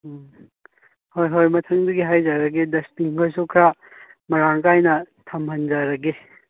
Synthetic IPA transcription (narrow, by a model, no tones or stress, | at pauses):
hojɦojmɐtʰɐŋduɡiɦajd͡ʒaɾɐɡedɐspiŋkʰojs̬okʰɾa | mɐɾaŋkajnɐ | tʰɐmɦɐnd͡ʒaɾɐɡe